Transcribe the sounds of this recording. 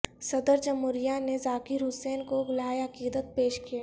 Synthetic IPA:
sɐd̪əɾd͡ʒɐmʊɾijanezaːkɪɾɦʊseːnkoɡʊlaːeɐkiːd̪ət̪̚peːʃkijaː

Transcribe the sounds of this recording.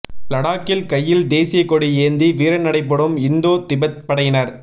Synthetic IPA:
plɐɽaːkːɪlkɐjːɪld̪eːsɪjɐkːɔɽieːnd̪iʋiːɾɐnɐɽɐɪpːɐɽɯmɪnd̪oːt̪ɪbɐt̪̚pɐɽɐjɪnɐɾ

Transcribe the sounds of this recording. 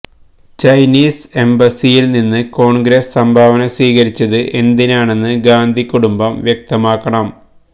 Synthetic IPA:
t͡ɕɐjniːse̞mbɐsijilninːɨko̞ːɳɡɾessɐmbʱaːʋɐnɐsʋiːɣɐɾit͡ɕːɐðɨʔe̞nd̪inaːɳe̞nːɨɡaːnd̪ʱikːuɽumbɐmʋjek̚t̪ɐmaːkːɐɳɐm

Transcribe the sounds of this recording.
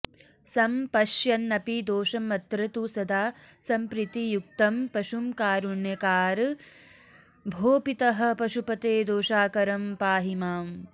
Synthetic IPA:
sɐmpɐʃjɐnːɐpid̪oːʃɐmɐt̪ɾɐt̪usɐd̪ʱaːsɐmpɾit̪ijuk̚t̪ɐmpɐʃumkaːɾuɳjɐkaːɾ | bʱoːpit̪ɐɦɐ̆pɐʃupɐt̪eːd̪oːʃaːkɐɾɐmpaːɦimaːm

